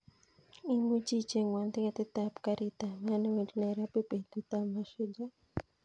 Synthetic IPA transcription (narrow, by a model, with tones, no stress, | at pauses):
i˦mu˦t͡ʃi˦t͡ʃe˨ŋwa˨nd̪i˦ka˨t̪i˦t̪apka˦ɾit̪a˨ma˦na˦we˨di˦na˨iɾa˦pe˦pe˨t̪u˦t̪a˨ma˦ʃu˦d͡ʒa˦